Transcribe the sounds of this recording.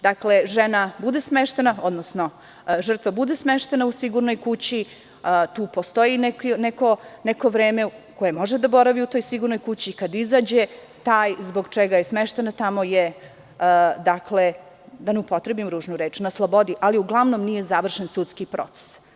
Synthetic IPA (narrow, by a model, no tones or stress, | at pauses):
d̪akle̞ʒenabud̪esmeʃt̪e̞nao̞d̪nosno̞ | ʒr̩t̪ʋabud̪esmeʃt̪e̞nausiɡuɾnojkut͡ɕi | t̪uːpost̪o̞jinekneko̞neko̞ʋɾe̞ːmeko̞je̞mo̞ʒed̪abo̞ɾaʋiut̪o̞ːjsiɡuɾno̞jkut͡ɕiːkad̪izaːd͡ʑe | t̪aːjzbo̞ɡt͡ʃeɡajesmeʃt̪e̞nat̪amo̞je | d̪akle | d̪aneupo̞t̪ɾebimɾuːʒnuɾeːt͡ʃnaslˠobo̞d̪iʔaliuɡlˠaʋnomnije̞zaʋr̩ʃensut̪skipɾo̞̰t̪se̥s